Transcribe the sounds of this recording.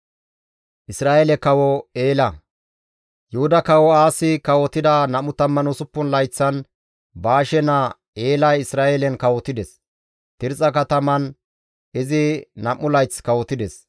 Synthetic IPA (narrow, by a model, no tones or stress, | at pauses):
ʔɪsɾaːjɛlɛkɐwɔeːlɐ | jʊhʊd̪ɐkɐwɔaːsɪkɐwɔt̪ɪd̪ɐnɐmːʊt̪ɐmːɐnɔsʊpːʊnlɐjt͡sːɐn | baːʃɛnɐ | eːlɐjɪsɾaːʔɛlɛnkɐwɔt̪ɪd̪ɛs | t̪ɪɾt͡sʼɐkɐt̪ɐmɐn | ɪzɪnɐmːʊlɐjt͡skɐwɔt̪ɪd̪ɛs